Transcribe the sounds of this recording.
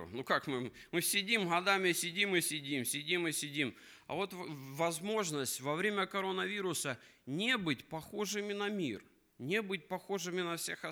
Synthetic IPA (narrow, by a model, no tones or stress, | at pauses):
ʊ̰nukakmɨ | mɨsʲɪdʲimɣɐd̪amʲɪsʲɪdʲimɨsʲɪdʲimsʲɪdʲimɨsʲɪdʲim | ɐ̰vo̞t̪vɐzmo̞ʐnəsʲtʲvɐvɾʲemʲəkɐɾo̞nəvʲiɾʊsənʲebɨtʲpɐxoʐɨmʲɪnɐmʲir | nʲebɨt̚ʲpɐxoʐɨmʲɪnɐfsʲexɐ